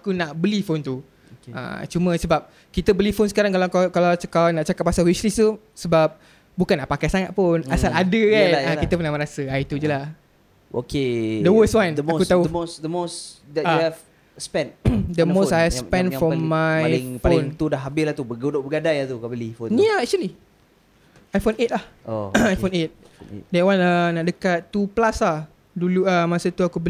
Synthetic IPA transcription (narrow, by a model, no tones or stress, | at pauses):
akunaʔbəlifont̪u | a̰t͡ʃumə̃səbap̚ | kit̪əbəlifonsə̥kaɾaŋkalakakalakalwnaʔt͡ʃakapːasalwislistu | səbap̚ | bukanːaʔpakajsaŋat̪̚pʊnasaladəkanakit̪əpunaʔmə̃ɾasəajt̪ud͡ʒəlah | ʔo̰ked̪əwəswandakut̪auosd̪əmosdɛɛv | spɛ̃nt̚d̪əmosajɛfspɛ̃nffɔmːajɪŋfaolnŋt̪udaɦabɪslaht̪ubəɡodoʔbəɡadajat̪ukabəlifojaɛk̚t͡ʃuəli | ajfonet̪̚lahoajonet̪̚dɛʔwanənaʔdəkat̪ːuplaslah | duluəmasət̪uakubə